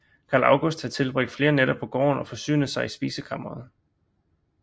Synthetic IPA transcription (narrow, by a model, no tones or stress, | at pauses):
kʰɑ̈ːlɑ̈ʊɡ̥osd̥hɑ̈t͡sʰe̝lb̥ʁeɡ̥̚d̥fle̝ːɐneɾɒ̽b̥̚pʰɒ̽ɡ̥ɒ̰ːnɒ̽fɒ̽sy̰ːnð̩ˠsɑ̈ɪisb̥ḭːsəkʰɑ̈mɐɐð̩ˠ